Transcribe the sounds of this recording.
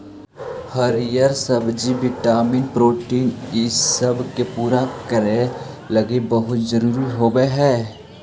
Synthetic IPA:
həɾijəɾsəbd͡ʒiʋɪʈaːmiːnpɾoːʈiːnɪsəbkepuːɾakəɾe | lɐɡebəɦʊt̪d͡ʒəɾuːɾiɦoːɡeɦɛː

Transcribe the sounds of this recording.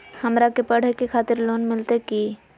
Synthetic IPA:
həmɾakepəɽ̤ekekʰaːt̪ɪɾloːnmɪlt̪eki

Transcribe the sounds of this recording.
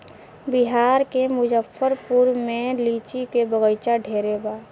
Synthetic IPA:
bɪɦaːɾkemʊd͡ʒəfʰːəɾpʊɾmẽliːt͡ʃikebəɣəjt͡ʃaɖʱeːɾebaː

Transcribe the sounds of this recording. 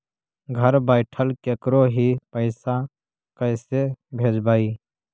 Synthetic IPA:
ɡʱəɾbaːɪʈʰəlkeːkɾoɦipəɪsa | kəɪsebʱeːd͡ʒbaːiː

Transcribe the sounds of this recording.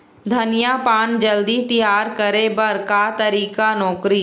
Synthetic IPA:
d̪ʱɐnijapaːnd͡ʒɐld̪it̪ijaːɾkəɾebɐɾkat̪ɐɾiːkanɔːkɾi

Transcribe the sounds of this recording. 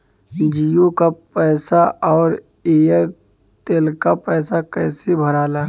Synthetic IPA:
d͡ʒijokapɛːsaʔɔːɾ | eːəɾ | t̪eːlkapɛːsakɛːsebʱəɾaːlaː

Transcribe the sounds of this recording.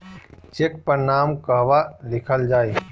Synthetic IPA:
t͡ʃek̚pəɾnaːmkəɦʋalɪkʰəld͡ʒaːi

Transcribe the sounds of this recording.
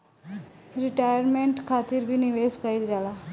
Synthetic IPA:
ɾiʈajəɾmeɳʈkʰat̪iːɾbʱiːniʋeskaild͡zala

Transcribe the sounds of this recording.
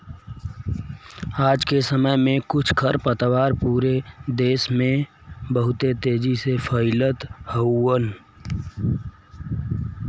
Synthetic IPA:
aːd͡ʒkesəməjmẽkʊt͡ʃʰkʰəɾpət̪waːɾpuːɾed̪eːsmẽ | bəɦʊt̪et̪eːd͡ʒisefʰəɪlət̪həuːən

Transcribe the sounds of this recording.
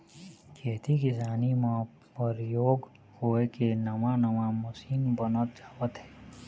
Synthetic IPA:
kʰeːt̪ikɪsaːnimã | pəɾjoːɡ | hoːekenɐmãnəmaməsiːnbənət̪̚d͡ʒaːʋət̪ɦɛː

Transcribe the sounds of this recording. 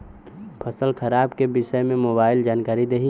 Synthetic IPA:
pʰɐsəlxʰɐɾaːbkebɪʃəmẽmoːbaːɪld͡ʒaːnkaːɾid̪eːɦi

